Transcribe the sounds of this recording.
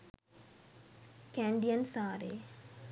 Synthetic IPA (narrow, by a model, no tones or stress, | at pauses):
kæɳɖijənsaːɾḛː